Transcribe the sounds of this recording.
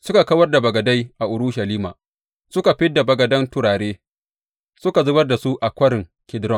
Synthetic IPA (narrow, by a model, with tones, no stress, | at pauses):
sʊ˦ka˨kɐ˦wɐ˦rda˨bɐ˨ɡɐ˨da˦jʔa˨ʔʊ˨ɾʊ˦ʃa˨liː˦ma̰ː˨ | sʊ˦ka˨ɸɪ˦dːa˨bɐ˨ɡɐ˨dɐ˦ntʊ˦ɽaː˨ɽeː˦ | sʊ˦ka˨zʊ˦bɐ˦rda˨su˦ʔa˨kʷɐ˦ɾɪ˨ŋkʲɪ˦dɾɔ˦˨